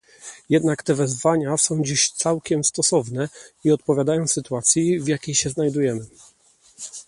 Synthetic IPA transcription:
jɛd̪nakt̪ɛvɛzvaɲasɔ̃w̃d͡ʑiɕt̪sawkʲɛmst̪ɔsɔvnɛiɔt̪̚pɔvʲjad̪ajɔ̃w̃sɘt̪uat̪sʲjivjakʲejɕɛznajd̪ujɛmɘ

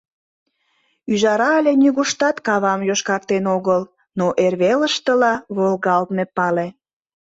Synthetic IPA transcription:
yʒɑɾɑlʲenyɣuʃt̪ɑt̪kɑβɑmjoʃkɑk̚t̪enoɣəl | noʔerβeləʃt̪əlɑβolɣɑlt̪mepɑle

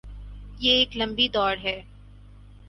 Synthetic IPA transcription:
jeeːklɐ̃mbid̪ɔːɾɦɛː

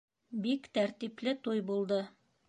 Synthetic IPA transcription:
bikt̪æɾt̪iplɘt̪ujbulˠd̪ɤ

